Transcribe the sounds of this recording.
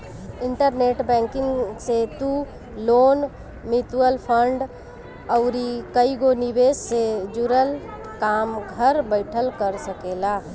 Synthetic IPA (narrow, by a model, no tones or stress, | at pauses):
ɪ̃ɳʈəɾneːʈbɛ̃ːŋkɪ̃ŋset̪u | loːn | mɪt̪uəlpʰəɳɖ | əʊɾikəiɡonibeːssed͡ʒuɾəl | kaːmɡʱəɾbəɪʈʰəlkəɾsəkeːlaː